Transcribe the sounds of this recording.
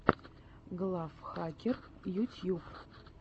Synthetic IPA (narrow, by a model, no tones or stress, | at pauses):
ɡlˠafχakʲer | jutʲʰjup